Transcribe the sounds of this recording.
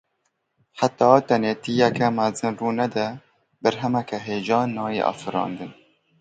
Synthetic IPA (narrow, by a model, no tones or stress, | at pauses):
ħat̪ɑːt̪ɛneːt̪ijɛkɛmæzɨnruːnɛd̪ɛ | bæɾɦɛmɛkɛɦeːd͡ʒɑːnːɑːjeʔɑ̰ːfɨɾɑ̰̃ːnd̪ɨn